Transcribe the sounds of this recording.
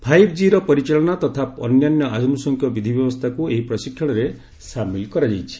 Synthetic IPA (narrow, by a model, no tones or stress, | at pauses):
pʰajbd͡ʒiɾɔpɔɾit͡ʃelɔñat̪ɔt̪ʰapɔ̰njanjɔʔad͡ʒɔnusɔŋkʰjɔbid̪ʱibjɔbɔst̪ʰakueɦipɾɔsikʰːjɔɽ̃ɔɾe | samilkɔɾad͡ʒajt͡ʃʰi̥